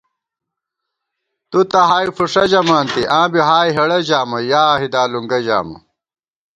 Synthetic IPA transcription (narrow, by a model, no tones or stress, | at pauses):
t̪ut̪ɐɦaːifuʂɐd͡ʑɐmaːnt̪iʔãːbiɦaːjɦɐɽɐd͡ʑaːmɐjaːɦid̪aːluŋɡɐd͡ʑa̰ːmɐ̰